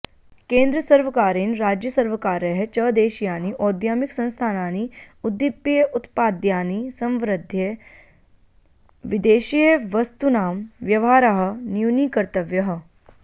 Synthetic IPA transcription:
kẽːnd̪ɾəsɐɾʋɐkaːɾinɾaːd͡ʒjəsɐɾʋəkaːɾjəɦet͡ʃɐːd̪eːʃijaːniʔɔːd̪jaːmiksɐ̃nst̪ʰaːnaːniʊd̪ːɪpːjəʔʊt̪paːd̪jaːnisɐ̃mʋɾɪd̪ʱːjə | ʋɪd̪eːʃijəʋɐst̪unaːmʋjɐʋaːɾɐɦɐ̆njuniːkɐɾt̪əʋjɐɦɐ̆

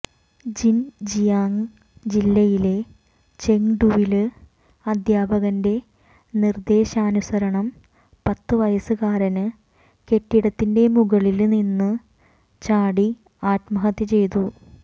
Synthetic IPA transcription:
d͡ʑind͡ʑijaːŋ | d͡ʑilːɐjile̞ | t͡ɕe̞ŋɖuʋilɨ | ɐd̪ʱjaːbɐɣɐnde̞ | nird̪e̞ːɕɐːnusɐɾɐɳɐm | pɐt̪ːɨʋɐjɐsɨkaːɾɐnɨ | ke̞ʈːiɽɐt̪ːinde̞muɣɐɭilninːɨ | t͡ɕaːɽi | aːt̪mɐɦɐt̪jɐt͡ɕe̞jt̪u

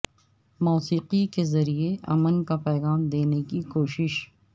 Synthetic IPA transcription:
mɔːsiːqikezɐɾieʔɐ̰mənkapɛːɣaːmd̪eːnekikoːʃɪʃ

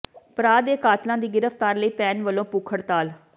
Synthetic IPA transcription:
pɾaːd̪eːkaːt̪lãːd̪iːɡɪɾəft̪aːɾləiːpɛːnʋəlːõːpuːkʰəɽt̪aːl

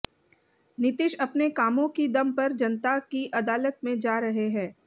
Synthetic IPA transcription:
nɪt̪ɪʃɐpnekaːmõkid̪ɐmpɐɾd͡ʒɐnt̪akiʔɐd̪aːlət̪̚mẽd͡ʒaːɾɐɦeɦɛ̃ː

